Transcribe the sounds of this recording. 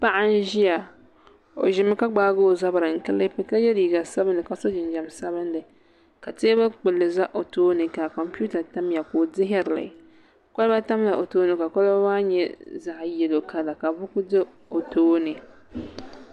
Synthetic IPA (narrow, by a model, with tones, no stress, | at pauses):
pa˦ʔa˦n˦ʒi˦ja˨ | o̰˨ʒɪ˨˦mɨ˦ka˦ɡ͡baː˦ɡoː˦˨za˦bɨ˨ɾɨ˨ŋ̩˨kɨ˦lɨ˦pɛ˦ka˦jɛ˦li˨ɡa˨sa˦bɨ˦nɨ˨ka˨˦so˦d͡ʒɪ˨n˦d͡ʒa˨msa˦βɨ˦n˦lɨ˨ | ka˨teː˦ba˦k͡pɨ˨lːɨ˨za˦ʔo˨toː˦nɨ˨ka˨kɔ˨mpu˦ta˨ta˦m˦ja˨koː˨dɪ˦ɦa˦ɾɨ˨la̰˨ | ka˦lba˦ta˦m˦a˨ʔo˨toː˦nɨ˨ka˨ka˦lba˦waː˦ɲɛ̰˦za˨ʔjɛ˨lo˨ka˦la˨ka˨bʊ˦kʊ˦dɨ˦ | o˨toː˦nɨ˨